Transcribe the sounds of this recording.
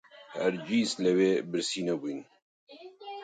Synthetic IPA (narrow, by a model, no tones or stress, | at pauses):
hɛ̰ɾd͡ʒiːslɛweːbɨɾsiːnɛbujn